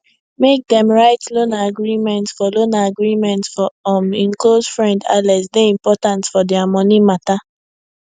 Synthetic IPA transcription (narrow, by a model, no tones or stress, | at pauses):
mek̚dɛ̃mɹaɪtlonaaɡɹimɛ̃ntsfɔlonaaɡɹimɛ̃ntfɔɔmĩnklosfɹɛ̃nda̰lɛsdeĩmpɔtãntfɔdɛamɔnimata